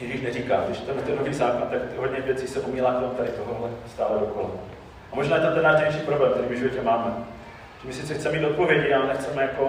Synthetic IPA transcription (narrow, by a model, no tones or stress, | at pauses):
jɛʒiːʃnɛriːkaːdɪʃt̪ɛmɛt̪ɛndoɦiːzaːkant̪akt̪ɦodɲɛvjɛt͡siːsɛpomiːlaːkt̪omut̪aɾɪt̪oɦoɦlɛst̪aːlɛdokola | ʔamo̞ʒnaːjɛt̪amt̪ɛnːaːʃd̪ejʃiːpɾoblɛːmkt̪ɛɾiːmɪvʒɪvo̞cɛmaːmɛ | cimɪsɪtt͡sɛxt͡sɛmɛmiːt̪ot̪po̞vjɛɟɪalɛnɛxt͡sɛmɛjako̞